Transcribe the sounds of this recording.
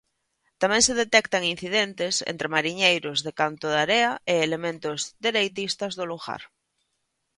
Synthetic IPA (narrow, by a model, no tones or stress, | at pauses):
t̪amẽŋseðet̪ekt̪aŋin̟θiðent̪esḛnt̪ɾemaɾiɲejɾozðekant̪oðaɾeaeːlemẽnt̪ozðeɾejt̪ist̪azðoluɣa̰ɾ